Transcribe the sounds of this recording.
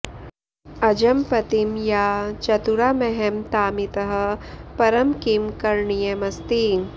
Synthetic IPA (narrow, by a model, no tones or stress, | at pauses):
ɐd͡ʒɐmpɐt̪imjaːt͡ʃɐt̪uɾaːmɛɦemt̪aːmit̪ɐɦɐ̆pɐɾɐmkimkɐɾɳijɐmɐst̪iːŋ